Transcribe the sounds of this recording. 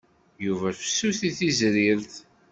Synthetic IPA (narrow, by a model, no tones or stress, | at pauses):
juvæfə̥sːuθiθizɾiɾθ